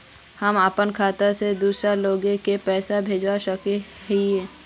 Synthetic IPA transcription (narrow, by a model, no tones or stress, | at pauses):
həməpənkʰaːt̪əɾsed̪uːsɾaloːɡẽkepɛːsabʱeːd͡ʒwaʃəkeɦiɛ̃ː